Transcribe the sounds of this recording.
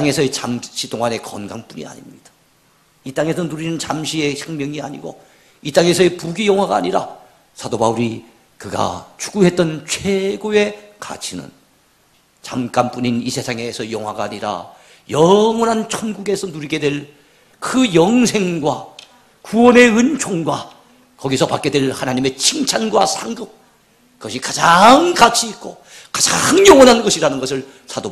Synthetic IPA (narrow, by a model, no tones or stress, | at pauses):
t͈ŋe̞sʰʌet͡ɕamɕʰitoŋane̞kʌnɡanp͈uɲḭa̰ɲimɲid̥ḁ | it͈aŋe̞sʰʌnuɾinɯnt͡ɕamɕʰie̞ɕʰaŋmjʌŋia̰ɲiɡo | it͈aŋe̞sʰʌepuɡijʌŋɦwaɡa̰ːɲiɾa̰ | sʰadobauɾi | kɯɡa̰t͡ɕu̥ɡuɦe̞t̚t͈ʌnt͡ɕʰwe̞ɡoe̞ka̰t͡ɕʰinɯ̰n | t͡ɕamk͈anp͈uɲinisʰe̞sʰaŋe̞sʰʌjʌŋɦwaɡaːɲiɾa̰ | jʌŋwʌnɦant͡ɕʰonɡuɡe̞sʰʌnuɾiɡe̞dwe̞ɭ | kɯjʌŋsʰe̞ŋɡwa | kuwʌne̞ɯnt͡ɕʰoŋɡwa | kʌɡisʰʌpak͈e̞dwe̞lhanaɲime̞t͡ɕʰiŋt͡ɕʰanɡwasʰaŋɡɯk̚ | kɯɡʌɕʰikad͡ʑaŋkat͡ɕʰiːk͈o | kad͡ʑaŋjʌŋwʌnɦanɡʌɕʰiɾanɯnɡʌs̬ʰɯɭ | sʰadob